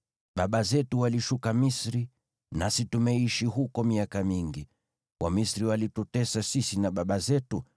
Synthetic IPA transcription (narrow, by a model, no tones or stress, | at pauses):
ɓaɓazɛtuwaliʃukamisɾi | nasitumɛiʃiɦukɔmiakamiŋɡi | wʔamisɾiwalitutɛsasisinaɓaɓazɛtu